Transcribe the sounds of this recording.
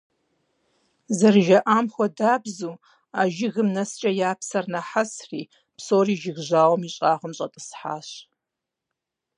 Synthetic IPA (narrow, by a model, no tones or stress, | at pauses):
zɐrʒɐʔaːmxʷɔdaːbzuː | aːʒɪɣɨmnɐst͡ʃʼɐjaːpsɐrnɐħasrḭː | psoːriːʒɪɣʑaːwɔmiɕʼaːχʷɔmɕʼɐtʼɨsħa̰ːɕ